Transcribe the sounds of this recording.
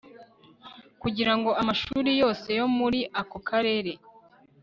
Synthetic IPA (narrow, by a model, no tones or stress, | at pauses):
kuɟiɾaŋɡo̞amaʃuːɾijo̞ːse̞jo̞muɾiʔako̞kʰaɾe̞ːɾe̞